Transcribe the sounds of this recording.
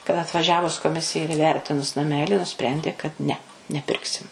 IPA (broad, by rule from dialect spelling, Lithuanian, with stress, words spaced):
kɐt ɐtʋɐˈʒʲæːʋʊs koːˈmʲɪsʲɪjɛ ɪr iːˈʋʲɛrʲtʲɪnʊs nɐˈmʲæːlʲɪ nʊˈsʲpʲrʲɛnʲdʲeː kɐt nʲɛ nʲɛˈpʲɪrksʲɪm